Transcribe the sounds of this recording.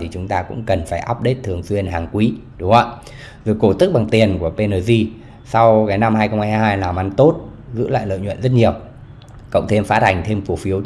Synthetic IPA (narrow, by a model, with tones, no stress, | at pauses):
t̪ʰi˨˩t͡ɕʊ˨˦ŋ͡mt̪aː˧kʊ̰˧˥ŋ͡mkə˨˩nfaː˧˩jʔaː˦˥p̚ɗe˦˥t̚t̪ʰɨ˨˩əŋswi˧ənɦaː˨˩ŋkwi˨˦ɗʊ˨˦ŋ͡mʔə˧˨ | zo˨˩jko˧˩t̪ɨ˦˥k̚ɓa˨˩ŋt̪i˨˩ənku˧˩əpe˧nəː˨˩zi˧ | sa˧wkaː˨˦jna˧mhaː˧jxə˧wŋ͡mhaː˧jjɦaː˧jlaː˨˩mʔa˧nt̪o˦˥t̚ | zɨ̰˧˥la̰ː˧˨jlə̰˧˨jɲwə̰˧˨nzə˦˥t̚ɲi˨˩əw | kə̰˧˨wŋ͡mt̪ʰe˧mfaː˨˦t̪̚ʰa˨˩jŋ̟t̪ʰe˧mfu˧˩əfi˨˦əw